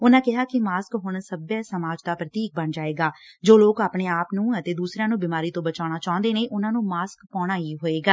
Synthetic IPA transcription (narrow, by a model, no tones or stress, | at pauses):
ʊnãːkɪɦaːkɪmaːskɦʊɳsəbjaːsəmaːd͡ʒd̪aːpɾət̪iːk̚bəɳd͡ʒaːeːɡaː | d͡ʒoːloːkaːpɳeːaːpnũːət̪eːd̪uːsɾãːnũːbɪmaːɾiːt̪õːbət͡ʃaːɽ̃aːt͡ʃaːʊ̃nd̪eːneːʔʊnãːnũːmaːskpɔːɽ̃aːiːɦoːeːɡaː